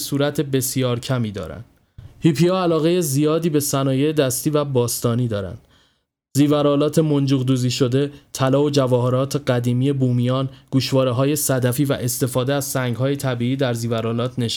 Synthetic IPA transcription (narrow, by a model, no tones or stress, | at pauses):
suːɾæt̪ʰe̞be̞sijɒːɾcʰæmiːd̪ɒ̰ːɾæ̰nd̥̪ | hiːpʰiɒælɒːɣe̞je̞zijɒːd̪iːbe̞sænɒːje̞jed̪æst̪iːvæbɒːst̪ɒːniːd̪ɒːɾæ̰nd̪̥ | ziːvæɾɒːlɒːt̪ʰe̞mond͡ʒuːɣd̪uːziːʃo̞d̪e̞t̪ʰælɒːod͡ʒævɒːɦeɾɒːt̪ʰe̞ɢæd̪iːmiːje̞buːmijɒːnɡ̥uʃvɒːɾeɦɒːje̞sæd̪æfiːvæ̰ʔe̞st̪e̞fɒːd̪eæz̥sæŋɡɦɒːje̞t̪ʰæbiːiːd̪æɾziːvæɾɒːlɒːt̪ʰneʃ